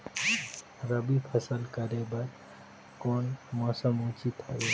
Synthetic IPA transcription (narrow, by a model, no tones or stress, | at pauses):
ɾəbipʰəsəlkəɾebəɾ | konmɔsəmut͡ʃit̪ae